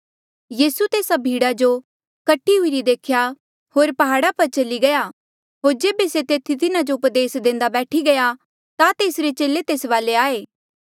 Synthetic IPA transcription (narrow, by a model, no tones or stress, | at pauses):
jiːsut̪eːsabʱiːɽad͡ʒo | kɐʈʰːiɦʊiɾid̪eːkʰja | ɦoːɾpɐɦaːɽapɐɾt͡ʃɐliɡɐjaː | ɦoːɾd͡ʒeːbeset̪eːt̪ʰit̪ɪnad͡ʒoʊpd̪eːsd̪ẽːn̆d̪abɛːʈʰiɡɐja | t̪at̪eːsɾet͡ʃeːlet̪eːsʋaːleaːeː